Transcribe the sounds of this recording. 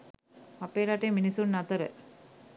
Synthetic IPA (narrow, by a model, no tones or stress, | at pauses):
ɐpːeːɾaːʈːeminisuːnnɐt̪ɐɾə̰